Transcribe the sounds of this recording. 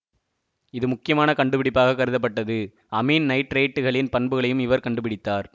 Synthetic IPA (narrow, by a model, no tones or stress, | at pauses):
ɪðɯmʊkːɪjɐmaːnɐkɐɳɖɯp̬ɪɽɪpːaːɣɐkːɐɾɯðɐp̬ːɐʈːɐðɯ | ɐmiːnnɐɪʈːɾeɪʈːɯɣɐɭɪnpɐnbɯɣɐɭɐjɯmɪʋɐɾkɐɳɖɯpɪɽɪt̪ːaːɾ